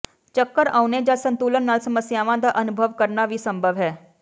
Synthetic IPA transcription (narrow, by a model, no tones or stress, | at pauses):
t͡ɕəkːəɾawned͡ʑasənt̪ulənːalsəməsjaʋãd̪aʔənubʱəʋkəɾɳaʋiːsəmbʱəʋɦɛ